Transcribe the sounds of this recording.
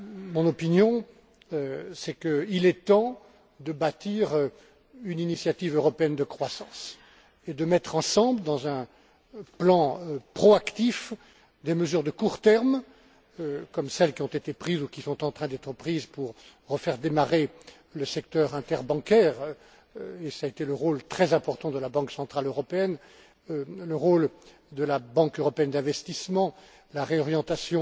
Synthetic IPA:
mɔ̃nɔpinjɔ̃ | sɛkəilɛt̪ɑ̃ | d̪əbat̪iʁ | yninisjat̪ivøʁɔpeɛnd̪əkχwasɑ̃s | ed̪əmɛt̪χɑ̃sɑ̃bləd̪ɑ̃zɛ̃ | plɑ̃pχɔakt̪if | d̪eməzyʁd̪əkuʁt̪ɛʁm | kɔmsɛlkʲiɔ̃t̪et̪epχizukʲisɔ̃t̪ɑ̃t̪χɛ̃d̪ɛt̪χəpχizpuʁːəfɛʁd̪emaʁe | ləsɛk̚t̪œʁɛ̃t̪ɛʁbɑ̃kʲɛːʁ | esaet̪eləʁolt̪χɛzɛ̃pɔʁt̪ɑ̃d̪əlabɑ̃ksɑ̃t̪χaløʁɔpeɛn | ləʁol | d̪əlabɑ̃køʁɔpeɛnd̪ɛ̃vɛst̪ismɑ̃ | laʁeɔʁjɑ̃t̪asjɔ̃

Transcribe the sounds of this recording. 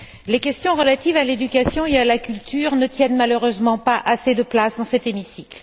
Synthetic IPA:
lekʲɛst̪jɔ̃ʁəlat̪ivaled̪ykʲasjɔ̃ealakʲylt̪ʰyːʁnət̪jɛnmaløʁøzmɑ̃paʔased̪əplasd̪ɑ̃sɛt̪emisikl

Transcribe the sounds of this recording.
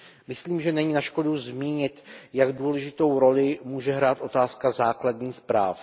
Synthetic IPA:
mɪsliːmʒɛnɛɲɪnaʃko̞duzmiːɲɪt̪jaɡduːlɛʒɪt̪o̞wɾo̞lɪmuːʒɛɦɾaːt̪ʔo̞t̪aːskazaːkladɲiːxpɾaːf

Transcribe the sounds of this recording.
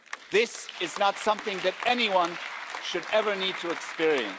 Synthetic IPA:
ðɪsɨznətsʌ̃mθɪ̃ŋðɨɾɛniwʌ̃nʃɨɾɛvə˞nid̚tʰɨɨkspɪɹiɨ̰̃n

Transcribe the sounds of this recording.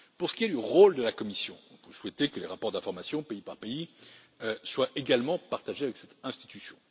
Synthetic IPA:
puʁsə̥kʲiɛd̪əʁold̪əlakɔmisjɔ̰̃ɔ̃pøswɛt̪ekəleʁapɔʁd̪ɛ̃fɔʁmasjɔ̃peipaʁpei | swaʔeɡalmɑ̃paʁt̪aʒeavɛksɛt̪ɛ̃st̪i̥t̪ysjɔ̰̃

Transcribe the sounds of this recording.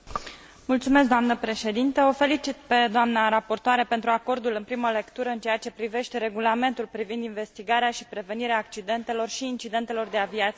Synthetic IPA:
mult̪sumes̬k̬̚d̪oamnəpɾe̞ʃe̞d̪int̪əofe̞lit͡ʃit̪pe̞d̪oamnaɾapo̞rt̪oaɾe̞pe̞nt̪ɾuako̞rd̪ulɨnpɾiməle̞kt̪uɾəɨnt͡ʃeat͡ʃe̞pɾive̞ʃt̪e̞ɾe̞ɡulame̞nt̪ulpɾivind̪inve̞st̪iɡaɾeaʃipɾe̞ve̞niɾeaːk̚t͡ʃid̪e̞nt̪e̞lo̞rʃiːnt͡ʃid̪e̞nt̪e̞lo̞rd̪e̞aviat̪s

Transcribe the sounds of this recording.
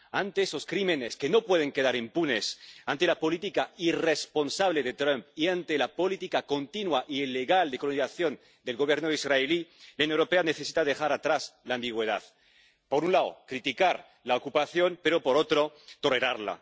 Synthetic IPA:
ant̪esoskɾimene̞ske̞no̞pwe̞ð̞e̞ŋke̞ðaɾimpune̞sant̪e̞lapo̞lit̪ikaire̞spo̞nsaβ̞le̞ðe̞t̪ɾampiant̪elapo̞lit̪ikako̞nt̪inwaʔileɣald̪e̞koloniθaθjo̞n | d̪e̞lɣo̞β̞je̞ɾnoðizraelilaunoewɾope̞ane̞θe̞si̥t̪aðe̞xaɾat̪ɾaslaːmbiɣ̞we̞ð̞a̰ð | po̞ɾunlao̰kɾit̪ikaɾ | laokupaθjo̞mpe̞ɾopo̞ɾot̪ɾo̞t̪o̞le̞ɾaɾla̰

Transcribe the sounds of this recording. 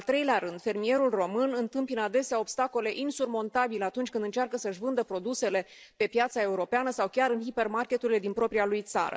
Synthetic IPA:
alt̪ɾe̞jleaɾɨnd̪̥fe̞rmije̞ɾulro̞mɨnɨnt̪ɨmpinad̪e̞seao̞bst̪ako̞le̞ʔinsurmo̞nt̪abileat̪unt͡ʃʲkɨnd̪ɨnt͡ʃarkəsəʃvɨnd̪əpɾo̞d̪use̞le̞ | pe̞pjat̪sae̞uɾo̞peanəsawkʲaɾɨnɦipe̞rmarkʲe̞t̪uɾile̞d̪inpɾo̞pɾialujt̪sa̰ɾə̰

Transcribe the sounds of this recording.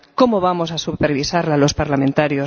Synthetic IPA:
ko̞moβamos̬asupeɾβisaɾlalo̞spaɾlamẽnt̪aɾjo

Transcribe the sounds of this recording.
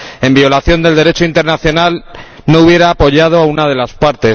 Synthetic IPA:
e̞mbio̞laθjo̞nd̪eld̪e̞ɾe̞t͡ʃoint̪e̞ɾnaθjo̞nal | no̞uβje̞ɾaːpo̞ʝaðo̞aunað̞e̞laspaɾt̪e̞

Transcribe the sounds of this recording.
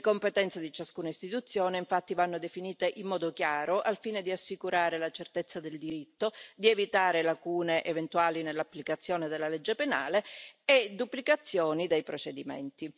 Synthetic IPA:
ekompet̪ɛnt̪sad̪it͡ʃaskuːnaist̪it̪ut̪sːjoːneiɱfat̪ːivanːod̪efiniːt̪eʔimːɔːd̪okjaːɾoʔalfiːned̪iasːikuɾʔaːɾelat͡ʃert̪et̪sːad̪eld̪iɾit̪ːod̪ievit̪aːɾelakuːneʔevent̪uaːlinelːapːlikat̪sːjoːned̪elːaled͡ʒːepena̰ːleed̪upːlikat̪sːjoːnid̪ejpɾot͡ʃed̪imɛ̰nt̪i

